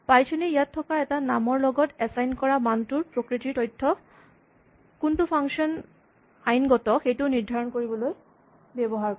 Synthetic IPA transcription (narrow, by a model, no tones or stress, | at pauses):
pajt͡ʃʰɔnejatʰːɔkaɛtanamɔɹlɔɡɔtɛsajnkɔɹamantuɹpɹokɹitiɹtɔjtʰːɔ | kuntupʰaŋsɔn | ajnɡɔtɔxejtuniɹdʱaɹɔnkoɹibɔloj | bɛbɔɦaɹkɔ